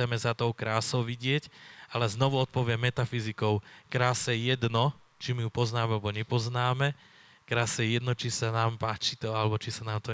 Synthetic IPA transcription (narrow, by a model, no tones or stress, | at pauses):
ɛmɛzat̪ɔʊkɾaːsɔʊʋiɟɪɛcalɛznɔʋuɔt̪̚pɔʋɪɛmːɛt̪afizikɔʊkɾaːsɛjɛd̪nɔ | t͡ʃimijupɔznaːmɛalɛbɔɲɛpɔznaːmɛ | kɾaːsɛjɛd̪nɔt͡ʃisanaːmpaːt͡ʃit̪ɔalɛbɔt͡ʃisanaːmt̪ɔ